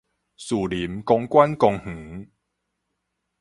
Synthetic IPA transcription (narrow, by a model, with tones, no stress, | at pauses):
su˨˩li˨˦mkɔ˧ŋkwa˦nkɔ˧ŋh̩˨˦